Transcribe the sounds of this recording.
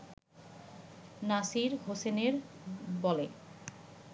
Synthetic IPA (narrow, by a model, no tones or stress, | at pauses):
nasiɾɦoseneɾbɔle